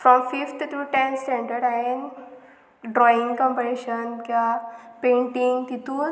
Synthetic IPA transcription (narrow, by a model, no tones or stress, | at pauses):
fɾɔmfift̪ʰut̪ʰɾuːʈẽnsẽɳʈəɾɖɛn | ɖɾɔĩŋɡkɔ̃mpəɾeɕənkjapẽɳʈiŋɡt̪it̪uːn